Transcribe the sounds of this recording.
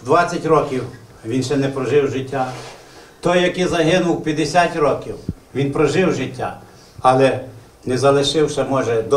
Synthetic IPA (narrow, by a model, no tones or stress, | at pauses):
d̪ʋɑt͡sʲːɐtʲrɔkʲiw | ʋʲinʃɛnɛpɾɔʒɪwʒɪtʲːa | t̪ɔjːɐkizɐɦɪnʊwpʲjɐd̪esʲatʲɾɔkʲiwʋʲinpɾɔʒɪwʒɪtʲːa | ɐlˠɛ | nɛzɐlˠɪʃɪwʃɛmɔʒɛd̪ɔ